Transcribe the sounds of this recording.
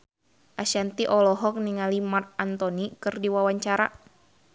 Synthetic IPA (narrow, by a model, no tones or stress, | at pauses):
ʔaʃant̪iʔɔlɔɦɔk̚niŋalimart̪̚ant̪ɔnikɨrdiwawaɲt͡ʃaɾa